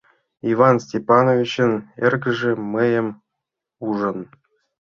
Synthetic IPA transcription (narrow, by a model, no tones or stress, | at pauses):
ivɑnsʲtʲepɑnovʲit͡ɕə̆nerɡʲɘ̆ʐĕmɘjə̆m | uʐə̆n